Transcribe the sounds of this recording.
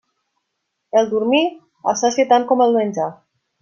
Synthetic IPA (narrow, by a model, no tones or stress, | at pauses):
elˠd̪uɾmi | a̰saset̪aŋkɔmelˠmenʲd͡ʒa